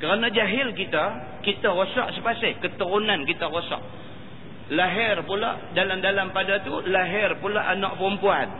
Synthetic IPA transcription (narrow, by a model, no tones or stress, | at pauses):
kəɾanad͡ʒaɦɪlkit̪a | kit̪aɣosɔʔsəpasɪhkət̪əɾunankit̪aɾosɔ̰ʔ | laɦɪrpula̰ʔdalamdalampadat̪ulaɦɪrpulaʔanaʔ̚pɾumpuan